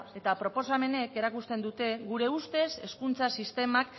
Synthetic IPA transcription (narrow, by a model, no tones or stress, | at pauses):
e̞t̪apɾo̞po̞same̞ne̞ke̞ɾakust̪e̞nd̪ut̪e̞ɣuɾe̞ust̪e̞se̞skunt͡sasist̪e̞mak